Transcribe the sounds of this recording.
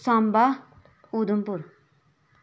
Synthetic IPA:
samba | ud̪umpuɾ

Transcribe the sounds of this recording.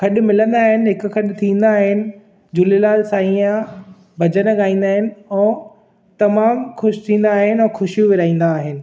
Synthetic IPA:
kʰɐɗʊ̆mɪlə̃nd̪aːɦɪnɪ̆ɦɪkʊ̆kʰɐɗt̪ʰĩːn̆d̪aːɦɪnɪ̆ | d͡ʑulelaːlsaːĩã | bʱɐd͡ʑənɠaːĩːn̆d̪aːɦɪnɪ̆ɛ̃ː | t̪ɐmaːmxʊʃt̪ʰĩːnd̪aːɦɪnɪɛ̃ːxʊʃijuʋɪɾaːĩːn̆d̪aːɦɪnɪ̆

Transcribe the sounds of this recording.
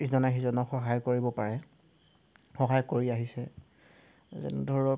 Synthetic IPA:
iszɔnaxizɔnɔxɔɦajkoɹibɔpaɹɛ | xɔɦajkoɹiaɦisɛ | zɛ̰n̰dʱɔɔ

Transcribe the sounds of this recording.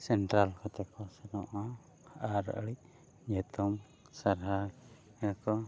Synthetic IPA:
sɛnʈɾalkɔt̪ɛkɔsɛnɔʔa | haʔaɾə̰ʔɽiʔ | ɲɛt̪ʰɔm | saɾɦa | ɛkɔ

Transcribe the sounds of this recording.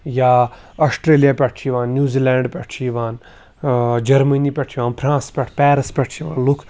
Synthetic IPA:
jaː | ɔsʈɾeːlijaːpʲɛʈʰt͡ʃʰiʋãːnːjuːzilɛːɳɖpʲɛʈʰt͡ʃʰiʋaːn | d͡ʒɐɾmənipʲɛʈʰiʋaːnpʰɾãːspʲɛʈʰpɛːɾɐspʲɛʈʰt͡ʃʰiʋa̰ːnlukʰ

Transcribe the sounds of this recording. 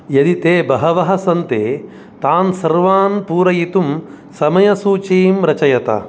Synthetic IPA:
jɐd̪it̪eːbɐɦɐʋɐɦɐsɐnt̪eː | t̪aːnsɐɾʋaːnpuːɾɐjit̪um | sɐmɐjɐsuːt͡ʃeːmɾɐt͡ʃɐjɐt̪ɐ̰

